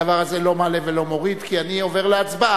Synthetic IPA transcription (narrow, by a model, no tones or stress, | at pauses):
avaʁaze̞lo̞male̞velo̞mo̞ʁid̪kianio̞ve̞ʁleat͡sba